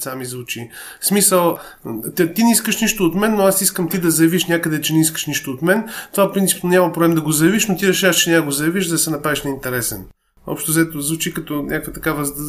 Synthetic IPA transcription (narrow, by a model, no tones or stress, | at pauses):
samizvut͡ʃi | smisəlˠ | t̪t̪inɛiskəʃniʃt̪oːt̪mɛnːoasiskəmt̪id̪ɐzɐjɐviʃnʲakəd̪ɛt͡ʃɛnɛiskə̥ʃniʃt̪oːt̪mɛnt̪ovafpɾint̪si̥pnnʲamɐpɾoblɛmd̪ɐɡozɐjɐviʃnot̪iɾɛʃavəʃt͡ʃɛnʲaɡozɐjɐviʃd̪ɐsɛnɐpɾaviʃnɐint̪ɛɾɛsɛ̰n | ɔ̰pʃt̪ozɛt̪ozvut͡ʃikɐt̪ɔnʲʔakkvɐt̪ɐkavə